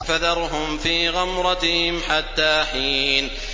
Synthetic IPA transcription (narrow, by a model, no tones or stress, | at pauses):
faðɑɾˤɦʊmfiːɣamɾˤɑt̪ɪhɪmħat̪ːaːħiːn